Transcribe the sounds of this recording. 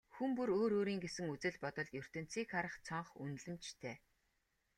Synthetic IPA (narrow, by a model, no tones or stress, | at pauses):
xumpuɾoːɾoːɾiːŋɡesɘ̆ŋut͡sɘ̆ɮpɔt̪ɞ̆ɮjɵr̥t̪ɘ̆n̥t͡siːkχaɾə̆χt͡sʰɔɴχṵnɮɘ̆mt͡ɕt̪ʰeː